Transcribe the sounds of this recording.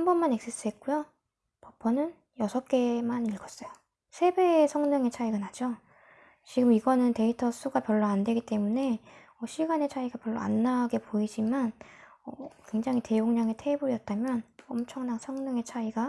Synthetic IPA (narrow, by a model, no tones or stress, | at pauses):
hambʌnmane̞k̚s͈ɯs͈ɯɦe̞t̚k͈ujo | pʌpʰʌnɯn | jʌsʰʌk͈e̞maniɭɡʌs͈ʌjo | sʰe̞be̞sʰʌŋnɯŋe̞t͡ɕʰaiɡanad͡ʑo | t͡ɕiɡɯmiɡʌnɯnte̞itʰʌs͈ʰuɡapjʌɭːoandwe̞ɡit͈e̞mune̞ | ʌɕʰiɡane̞t͡ɕʰaiɡapjʌɭːo̰a̰nːaɡe̞poid͡ʑimanʌkwe̞ŋd͡ʑaŋite̞joŋɲaŋetʰe̞buijʌt̚t͈amjʌnʌmt͡ɕʰʌŋnaŋsʰʌŋnɯŋe̞t͡ɕʰaiɡa